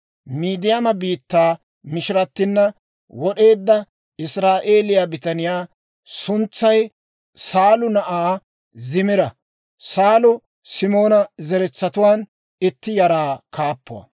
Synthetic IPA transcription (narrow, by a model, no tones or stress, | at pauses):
miːd̪ɪjamɐbiːt̪ːaː | mɪʃɪɾɐt̪ːɪnːɐ | wɔɗe̞ːd̪ːɐ | ɪsɾaːʔe̞ːlɪjabɪt̪ɐnɪjaː | sʊnt͡sːɐj | saːlʊnɐʔaː | zɪmɪɾɐ | saːlʊ | sɪmo̞ːnɐzɛɾɛt͡sːɐt̪ʊwaːn | ɪt̪ːɪjɐɾaːkaːpːʊwɐ̰